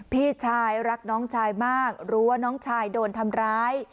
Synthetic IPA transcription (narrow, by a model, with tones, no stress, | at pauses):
pʰiː˥˩t͡ɕʰaː˧jɾa˦˥k̚nɔː˦˥ŋt͡ɕʰaː˧jmaː˥˩k̚ɾu˦˥ɐ˧nɔː˦˥ŋt͡ɕʰaː˧jdoː˧nt̪ʰa˧mɾaː˦˥j